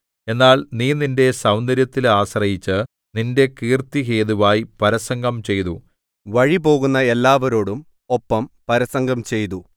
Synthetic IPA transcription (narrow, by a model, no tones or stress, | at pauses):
e̞nːaːlniːninde̞sɐwnd̪ɐɾjɐt̪ːilaːɕrɐjit͡ɕːɨ | ninde̞kiːrt̪iɦeːðuʋaːjipɐɾɐsɐŋɡɐmt͡ɕe̞jt̪u | ʋɐɻipo̞ːɣunːɐe̞lːaːʋɐɾo̞ːɽum | opːɐmpɐɾɐsɐŋɡɐmt͡ɕe̞jt̪u